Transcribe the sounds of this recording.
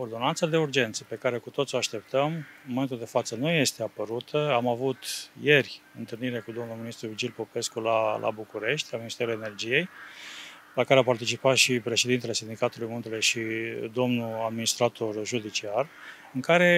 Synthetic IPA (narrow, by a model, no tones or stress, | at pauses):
ord̪o̞nant̪sad̪e̞urd͡ʒe̞nt̪sə̥pe̞kaɾe̞kut̪o̞t̪sʲoaʃt̪e̞pt̪əmɨnməment̪uld̪e̞fat̪sənuje̞st̪e̞apəɾut̪ʰəamavut̪je̞rʲɨnt̪ɨlniɾe̞kud̪o̞mnulminist̪ɾuid͡ʒilpo̞pe̞skulalʔa̰bukuɾe̞ʃt̪ʲlaminist̪eɾulene̞rd͡ʒije̞j | lakaɾeapart̪it͡ʃipat̪ʃipɾe̞ʃe̞d̪int̪ele̞sind̪ikat̪ulujmunt̪eleʃid̪o̞mnuad̪minist̪ɾat̪o̞rʒud̪it͡ʃiar | ɨŋkaɾe̞